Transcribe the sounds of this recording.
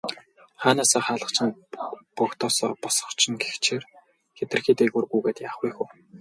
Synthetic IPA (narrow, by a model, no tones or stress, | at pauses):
χaːnaːsaːχaːɮə̆χt͡ɕʰɪ̆npɔkt̪ʰɔːsɔːpɔsɞ̥̆χt͡ɕʰɪ̆ŋɡext͡ɕʰer | xet̪ɘ̆rxiːt̪eɣurɣuːɣeːt̪jaːχɡujxuː